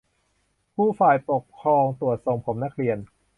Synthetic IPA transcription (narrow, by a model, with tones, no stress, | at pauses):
pʰuː˥˩faː˨˩jpo˨˩k̚kʰɾɔː˧ŋt̪u˨˩ət̪̚so˨˩ŋpʰo˩˦mna˦˥k̚ʰɾi˧ən